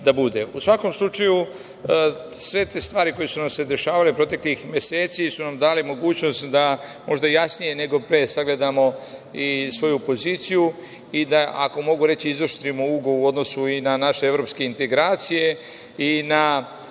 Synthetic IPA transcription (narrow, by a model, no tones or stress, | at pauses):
d̪abud̪e̞usʋako̞mslˠut͡ʃaju | sʋe̞t̪eːst̪ʋaːɾiko̞jesunamse̞d̪e̞ʃaːʋalepɾo̞t̪e̞klixmje̞se̞ːt̪sisunamd̪aːlimo̞ɡuːt͡ɕno̞st̪d̪amo̞ʒd̪ajasnije̞ne̞ɡo̞pɾesaɡle̞d̪amo̞isʋo̞jupo̞ziːt̪siju | id̪aʔako̞mo̞ɡuɾe̞t͡ɕiizoʃt̪ɾimouɡouo̞d̪no̞suinanaʃeevɾo̞pske̞int̪e̞ɡɾaːt̪sije̞ | ina